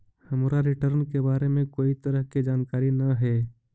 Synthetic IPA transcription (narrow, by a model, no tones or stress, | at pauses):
hɐmɾaɾɪʈəɾnkebaːɾemẽkoːit̪əɾəɦkid͡ʒaːnkaːɾinɐɦɛː